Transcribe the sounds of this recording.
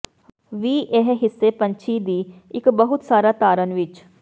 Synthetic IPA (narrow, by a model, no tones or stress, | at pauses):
ʋiːʔeɦɦɪsːeːpə̃ɲt͡ʃʰiːd̪iːɪkbəɦʊt̪saːɾaːt̪aːɾənʋɪt͡ʃ